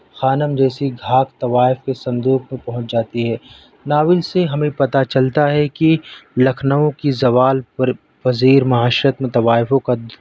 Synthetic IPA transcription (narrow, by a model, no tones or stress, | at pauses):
xaːnəmd͡ʒɛːsiɡʱaːkt̪ɐʋaːɪfkesɐ̃nd̪uːkmẽpɐɦʊ̃t͡ʃd͡ʒaːt̪iɦɛː | naːʋɪlseɦɐmẽpɐt̪at͡ʃɐlt̪aɦɛkilɐkʰnəõkizɐʋaːl | pɐziːɾmɐɦaːʃɾət̪mẽt̪ɐwaːɪfõkad̪